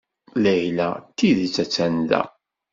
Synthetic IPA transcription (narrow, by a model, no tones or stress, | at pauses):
læjlæt̪ːiðt͡sːæt͡sːænd̪æ̰